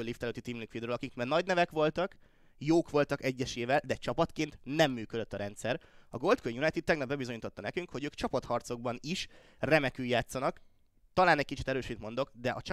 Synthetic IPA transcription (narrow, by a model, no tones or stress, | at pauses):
ølːiːft̪ɛløːt̪ːit̪iːmliŋkfid̪ɾøːlɒkikmɛrnɒɟnɛvɛkʋo̞lt̪ɒk | joːkʋo̞lt̪ɒkɛɟːɛʃeːvɛld̪ɛt͡ʃɒpɒt̪keːnt̪nɛmːyːkød̪øt̪ːɒɾɛnt̪sɛɾɒɡo̞lt̪køɲjunɒjt̪id̪̚t̪ːɛɡnɒbɛbizo̞ɲuːt̪ot̪ːɒnɛkyŋkho̞ɟøːkt͡ʃɒpɒt̪hɒrt̪so̞ɡ̚bɒniʃ | rɛmɛkyːjːaːt̪sːɒnɒk | t̪ɒlaːnɛc̚kit͡ʃi̥t̪ɛɾøːʃiːt̪mo̞nd̪o̞kd̪ɛʔɒt͡ʃ